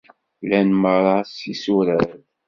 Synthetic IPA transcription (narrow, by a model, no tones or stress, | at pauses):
lænməɾˤɑsisuɾəð